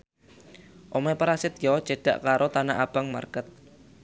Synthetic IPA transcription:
ʔomepɾasɪt̪jɔ̥t͡ʃe̤ɖ̥a̰ʔkaɾʔot̪anaʔab̥aŋma̰rkət̪̚

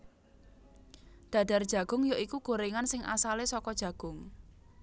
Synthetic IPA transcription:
d̪̥ä̤d̥a̤rd̥ʒ̥ä̤ɡ̥ʊ̤ŋjoʔikuɡ̥o̤ɾeŋansɪŋʔa̰salesɔkɔd̥ʒ̥ä̤ɡ̥ʊŋ

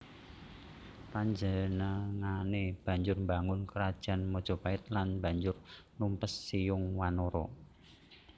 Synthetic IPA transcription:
paɲd͡ʒənəŋaneb̥ä̤ɲd͡ʒʊrmbaŋʊnkəɾad̥ʒ̥a̤nmɔd̥ʒ̥ɔ̤paɪt̪̚lanba̤ɲd͡ʒʊrnumpəsːijʊŋwanoɾɔ̰

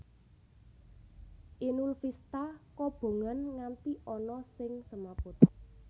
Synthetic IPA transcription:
ʔinulfist̪akɔb̥o̤ŋanŋant̪iʔɔnɔsɪŋsəmapʊt̪

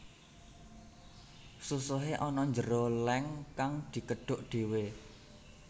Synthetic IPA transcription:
susʊɦeʔɔnɔɲd͡ʒəɾolɛŋkaŋd̪̥i̤kəɖ̥ʊ̤ʔɖ̪̥e̤we

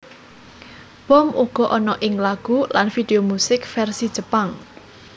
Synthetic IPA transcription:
wɔmʔuɡ̥ɔ̤ʔɔnɔʔɪŋlaɡ̥ulanfid̪̥eomusɪkfɛrsid̥ʒ̥əpaŋ

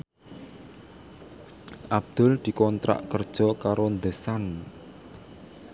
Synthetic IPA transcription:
ʔab̚d̪̥ʊ̤ld̪̥i̤kɔnt̪ɾa̰ʔkərd̥ʒ̥ɔ̤kaɾond̪əsan

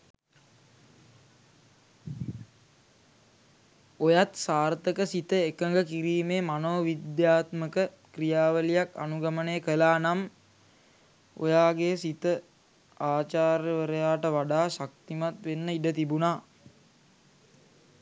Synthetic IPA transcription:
ojat̪saːrt̪əkəsit̪əekəŋɡəkiɾiːmeːmanoːʋid̪jaːt̪məkə | krijaːʋəlijaka̰nuɡamənejəkəlaːnam | o̰jaːɡesit̪ə | aːt͡ʃaːɾjəʋəɾəjaːʈəʋaɖaːʃak̚t̪imat̪ʋenːəiɖət̪ibunaː

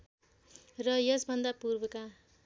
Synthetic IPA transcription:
rʌjʌsbʱʌnd̪apurbʌka

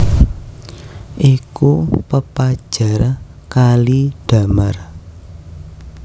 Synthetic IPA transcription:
ʔikupəpad̥ʒ̥a̤rkaliɖ̥a̤mər

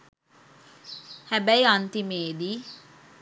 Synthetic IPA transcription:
hɛbɛjant̪imeːd̪i

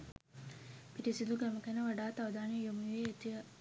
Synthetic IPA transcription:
piɾisid̪uɡɛməkɛnəʋɐɖaːt̪ɐʋɐd̪aːnejomuʋeːt̪iʋə

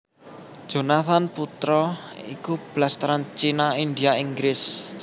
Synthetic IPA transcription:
ʒ̥o̤nat̪anput̪ɾɔḭkub̥last̪ɾant͡ʃinaind̪iaiŋɡɾɪs

